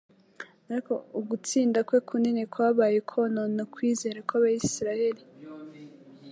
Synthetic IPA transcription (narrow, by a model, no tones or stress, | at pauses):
aɾiko̞uɡut͡siːndakwekʰuninekwaːβaːje̞kʰononokwiːze̞ːɾakwaβajisiɾahe̞ɾi